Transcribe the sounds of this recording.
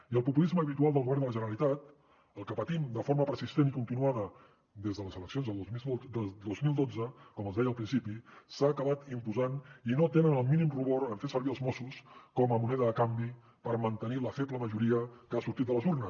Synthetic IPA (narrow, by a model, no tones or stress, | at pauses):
iəlˠpupulizməːβit̪ualˠd̪əlˠɣuβɛrnd̪ələʒənəɾəlit̪at̪ | əlˠkəpət̪imd̪əfoɾməpəɾsist̪enikunt̪inuaðə | d̪ezðələzələksjonzðəlˠo | d̪ozmilˠd̪od͡zəkɔməzðɛjəlˠpɾinsipisaːkəβat̪impuzaninot̪enənəlˠminimruβoɾəɱfesəɾβiəlˠzmosuskɔməmunɛðəðəkambi | pəɾmənt̪əniləfɛpləməʒuɾiəkəasuɾt̪it̪̚d̪ələzurnəs